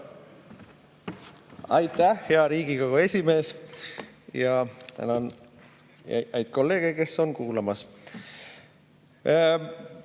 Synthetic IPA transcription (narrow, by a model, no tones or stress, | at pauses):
ɑjt̪ːæhhe̞ɑɾiːɡiɡ̥ɑɡ̥oe̞sʲime̞ːs | jɑt̪æ̰nɑn | ɑ̰ʔæjd̪̥̚ko̞lːe̞ːɡ̥e̞ke̞sːo̞nkuːlɑmɑs